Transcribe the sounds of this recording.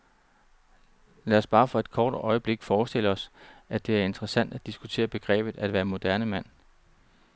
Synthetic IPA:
læːɒsb̥ɑ̈ːfɒ̽e̝d̥̚kʰɒːd̥ɒ̽ɪəb̥le̝ɡ̥fɒːsd̥e̝ləɒ̽sæd̥e̝æɐe̝nd̥ʁəsæn̰d̥æd̥isɡ̥ut͡sʰe̝̰ːɐb̥e̝ɡ̥ʁɛ̰ːb̥ð̩ˠæd̥ʋæːɐmo̝d̥æɐnəmæn̰

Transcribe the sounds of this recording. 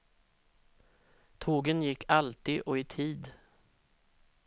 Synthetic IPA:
t̪ʰoːɡənjɪkːalt̪ɪɔɪt̪ʰiːd̪

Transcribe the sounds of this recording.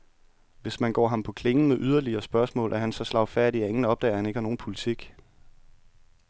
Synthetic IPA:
ʋe̝smænɡ̥ɒ̰ːɦɑ̈mpʰɒ̽kʰle̝ŋ̩meʔyð̞ˠɐliɐːsb̥ɶɐsmɔ̰̽ːlʔæɐɦænsɒ̽slɑ̈ʊfæɐɾ̥iæe̝ŋn̩ɒ̽b̥d̥ɛ̰ːɐhæne̝ɡəhɑno̝ːn̩pʰo̝lit͡sʰiɡ̥

